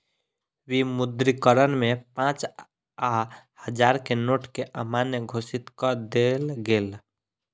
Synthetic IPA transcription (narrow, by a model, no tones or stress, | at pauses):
wimʊd̪ɾikəɾənmẽpãt͡ʃ | a | həd͡ʒaːɾkenoːʈkeʔəmanjəɡʱosit̪kəd̪elɡeːl